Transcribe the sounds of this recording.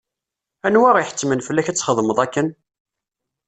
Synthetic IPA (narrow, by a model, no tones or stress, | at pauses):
ænwæʁiħə̥t͡sːmənfəlːæçæt͡sːχəðˤməðˤækːən